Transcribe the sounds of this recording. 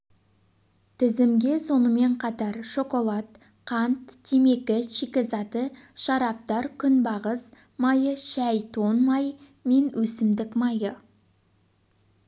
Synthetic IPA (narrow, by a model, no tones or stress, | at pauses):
t̪ʰɪzɪmɡʲe̞so̞nəme̞ɴqʰɑt̪ɑɾʃo̞ko̞lˠɑt̪ | qʰɑnt̪ʰːeme̞kʲɪʃikʲɪzɑt̪əʃɑɾɑp̚t̪ɑɾkʲʰʏnbɑʁəs | mɑjəʃæjt̪ʰo̞nmɑj | me̞nwʔɵsɪmd̪ɪkmɑjə